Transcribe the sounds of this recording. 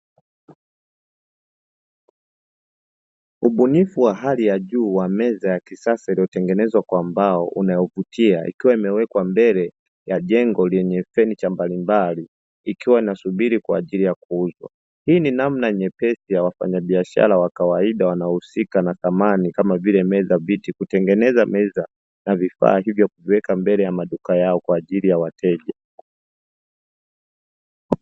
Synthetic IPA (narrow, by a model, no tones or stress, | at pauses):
uɓunifuwaɦalijaʄuːwamɛzajakisasailijɔtɛŋɡɛnɛzwakwaːmbaɔʔṵnajɔvutʰiaʔḭkiwaimɛwɛkwambɛlɛ | jaʄɛŋɡɔlɛɲɛfɛnit͡ʃambalimbaliː | kiwainasuɓiɾikwa̰ːʄilijakuuzwa̰ | hiːninamnaɲɛpɛsijawafa̰ɲaɓiaʃa̰ɾawakawaiɗawanaɔhusikanaθamanikamavilɛmɛzavitikutɛŋɡɛnɛzamɛza | navifa̰ːhivjɔkuviwɛkambɛlɛjamaɗukajaɔkwaːʄilijawatʰɛʄa